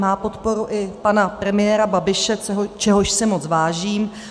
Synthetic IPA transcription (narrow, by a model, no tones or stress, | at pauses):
maːpo̞t̪po̞ɾuʔɪpanapɾɛmɪjɛːɾababɪʃɛɛɦot͡ʃɛɦoʃsɪmo̞t͡svaːʒiːm